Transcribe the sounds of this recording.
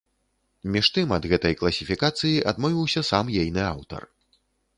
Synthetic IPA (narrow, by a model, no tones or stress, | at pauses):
mʲiʂt̪ɨmɐd̪ɣɛt̪ɐjklˠɐsʲifʲikat̪sɨjiʔad̪mɔvʲiwsʲɐsamjejnɨawt̪ɐ̰r